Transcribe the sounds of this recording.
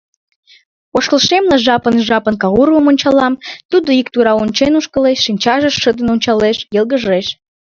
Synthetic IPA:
oʃkəlʃemlɑʒɑpənʒɑpənkɑɣuɾəmonʲt͡ɕɑlɑmt̪ud̪oikt̪uɾɑonʲt͡ɕenuʃkəleʃːinʲt͡ɕɑʒəʃːəd̪ənonʲt͡ɕɑleʃjəlˠɣəʒeʃ

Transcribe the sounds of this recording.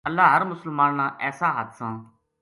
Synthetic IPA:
əlːaːɦəɾmʊsəlmaːnːãːʔɛːsaːɦət̪ʰsãː

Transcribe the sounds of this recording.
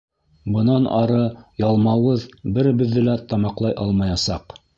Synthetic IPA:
bɤ̆nɑnɑɾɤjɑlˠmɑwɤðbɘɾbɘ̆ðːɘlæt̪ɑmɑqlˠɑjʔɑlˠmɑjɑsɑq

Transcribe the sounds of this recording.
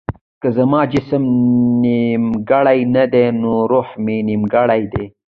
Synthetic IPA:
kəzamɑːd͡ʒɪsəmnimɡaɽajnad̪enoɾoħmenimɡaɽajd̪e

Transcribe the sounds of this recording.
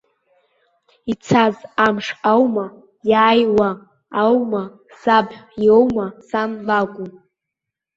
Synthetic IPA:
it͡sʰazamʂawma | jaːjwaː | wma | sabjowmasanlaɡʷu

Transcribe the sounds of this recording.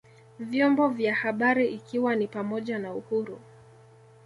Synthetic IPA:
vjɔmbɔvjahaɓaɾiʔikiwanipamɔʄanauhuɾu

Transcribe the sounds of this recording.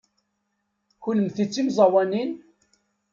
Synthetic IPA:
çuləmθit͡sːimzˤɑwænin

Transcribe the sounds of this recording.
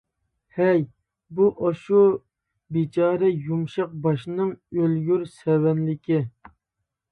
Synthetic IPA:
hɛj | buʔɑʃu | bit͡ʃʰɑːɾɛjumʃɑq̚bɑʃnɨŋølɡʲyɾsɛwɛnlɪkʲɪ

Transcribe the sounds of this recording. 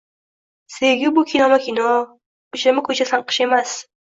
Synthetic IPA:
seɡʲɪbʊkʲʰinɒmakʲʰinɒ | ʊʃlɪmɪkʰɵt͡ʃʰasanqʰɨ̥ʃe̞mas

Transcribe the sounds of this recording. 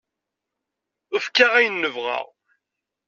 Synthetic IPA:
əfkaʁæjənːəvʁɑ̰ʁ

